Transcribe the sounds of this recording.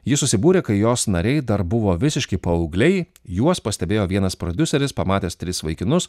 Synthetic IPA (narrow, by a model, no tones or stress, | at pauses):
jɪsʊsʲɪbuːɾʲeːkɐɪjoːsnɐɾʲɛɪd̪ɐɾbʊʋoːʋʲɪsʲɪʃʲkʲɪpɐɔʊɡlʲɛɪ | juɔspɐsʲt̪ʲɛbʲeːjoːʋʲiɛnɐspɾɔd̪ʲʊsʲɛɾʲɪspɐmɑːt̪ʲeːst̪ʲɾʲɪsʋɐɪkʲɪnʊs